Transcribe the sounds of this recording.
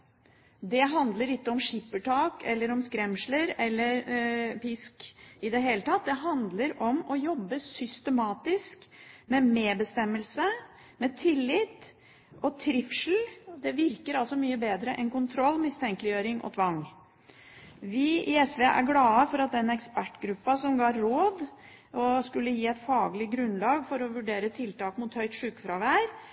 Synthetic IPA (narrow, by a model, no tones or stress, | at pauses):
d̪ɛɦɑnd̪ləɾɪkːəɔmʂɪpːəʈʰɑːkɛlːəɾɔmskɾɛmʂləɾɛlːəɾpɪskɪd̪ɛɦeːlət̪ʰɑt̪̚d̪ɛɦɑnd̪ləɾɔmɔjɔbːəsʏst̪əmɑːt̪ɪskmɛmeːbəst̪ɛmːəlsə | mɛt̪ʰɪlːɪt̪ | ʔɔt̪ʰɾɪfʂl̩d̪ɛʋɪɾkəɾɑlsɔmyːəbeːd̪ɾəʔɛnkʊnt̪ʰɾɔlːmɪst̪ʰɛŋklɪjøːɾɪŋʔɔ̰t̪ʰʋɑŋː | ʋɪɪɛsʋeʔæ̰ɾɡlɑːəfɔɾɑt̪̚d̪ɛnɛkspæʈːɡɾʉpːɑsɔmɡɑːɾoːd̪ | ɔskʉlːəjiːɛɪt̪fɑːɡlɪɡɾʉnlɑːɡfɔɾɔʋʉɖeːɾət̪ʰɪlt̪ɑːkmʊt̪hœʏt̪ʂʉːkfɾɑʋæːɾ